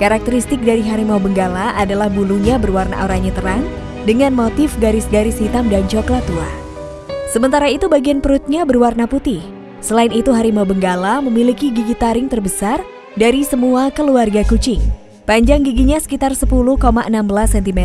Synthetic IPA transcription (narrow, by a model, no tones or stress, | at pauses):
kaɾak̚t̪əɾist̪ɪk̚daɾiɦaɾimawbəŋɡalaʔadalahbuluɲabərwarna̰oɾaɲat̪əɾaŋ | dəŋanmot̪ɪfɡaɾɪsɡaɾɪsit̪amdant͡ʃɔklat̪ua̰ | səmənt̪aɾait̪ubaɡianpəɾut̪̚ɲabərwarnaput̪ɪh | səlainit̪uɦaɾimawbəŋɡalaməmilikiɡiɡit̪aɾɪŋt̪ərbəsar | daɾisəmuakəluarɡakut͡ʃɪŋ | paɲd͡ʒaŋɡiɡiɲasə̥kit̪arsəpuluhkomaʔənambəlasːɛnt̪imɛ